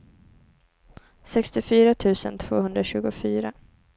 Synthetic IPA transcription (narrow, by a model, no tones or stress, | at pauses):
sɛkst̪ɪfyːɾat̪ʰʉ̟ːsə̰nt̪ʰv̥oːhɵnd̪ɾaɕʉ̟ːɡʊfyːɾa